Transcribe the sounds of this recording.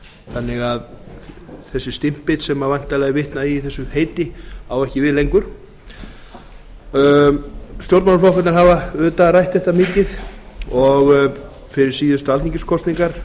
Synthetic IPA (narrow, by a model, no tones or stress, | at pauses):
θanːɪɣað | θɛsːɪst̪ɪm̥pɪt̪sɛmavajn̥t̪alɛɣɪvɪht̪naiθɛsːʏheːjt̪ɪawɛhcɪvɪðlejŋkʏɾ̥ | st̪jowɾt̪manflowhkat̪ɾɦaːvaʏðt̪arajht̪θɛht̪amɪːcɪðɔɣ | fɪɾɪɾ̥siːðʏst̪aliɲcɪskʰɔst̪niŋkaɾ̥